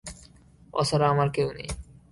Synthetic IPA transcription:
ɔ̰sʰaɾaamaɾkewnḛj

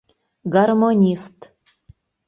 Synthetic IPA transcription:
ɡarmonʲist̪

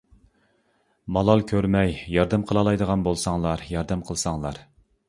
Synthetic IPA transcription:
mɑlˠɑlˠkʲʰøɾmɛjjɑɾd̪ɛmqʰəlˠɑlˠɑjd̪əʁɑnbolˠsɑŋlˠɑɾjɑɾd̪ɛmqʰəlˠsɑŋlˠɑɾ

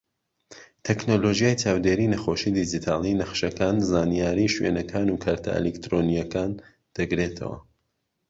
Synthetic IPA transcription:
t̪ʰɛknoloːʒijajt͡ʃʰaːwd̪eːɾiːnɐxoːʃiːd̪id͡ʒit̪ʰaːlˠinɐχʃɐkaːnzaːnijaːɾiːʃwḛnɐkʰaːnuːkʰaːɾt̪ʰa̰ʔḛlekt̪ɾonijɐkaːn | d̪̥ɐɡɾet̪ʰɐ̰wɐ̰

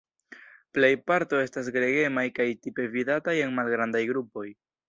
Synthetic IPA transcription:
plejpaɾto̞e̞stas̬ɡɾe̞ɡe̞majkajtipe̞vidataje̞nmalɡɾandajɡɾupo̞j

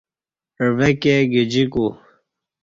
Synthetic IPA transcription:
əʋekeɡid͡ʑiku

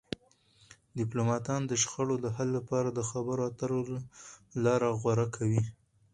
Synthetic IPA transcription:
d̪ɪplomɑt̪ɑnd̪əʃxaɽod̪əɦalːapɑɾad̪əxabəɾoat̪əɾo | lɑɾaɣwaɾakʰawi

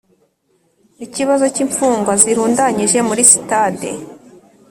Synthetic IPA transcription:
iciβazo̞ciɱfuːŋɡwaziɾuːndaɲiʒe̞muɾisi̥tadḛ

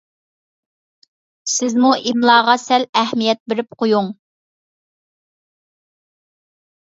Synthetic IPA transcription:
sɪzmuʔimlˠɑːʁɑsɛlæhmijɛt̪̚bɪɾɪp̚qʰojuŋ

